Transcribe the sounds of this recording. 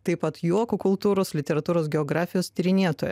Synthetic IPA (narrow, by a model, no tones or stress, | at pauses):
t̪ɐɪpɐt̪juɔkʊkʊlˠt̪uːɾoːslʲɪt̪ʲɛɾɐt̪uːɾoːs̬ɡʲɛɔɡɾɑːfʲɪjoːst̪ʲɪɾʲɪnʲiɛt̪oːjɛ